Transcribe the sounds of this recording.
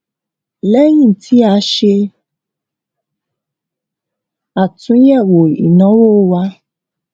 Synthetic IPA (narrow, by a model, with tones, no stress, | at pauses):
lɛ˦jĩ˦˨tʰi˦a˧˦ʃe˧ | a˨tũ˨˦jɛ˦˨wo˨ḭ˨nɔ̃˨˦wo˦˨˦wa˦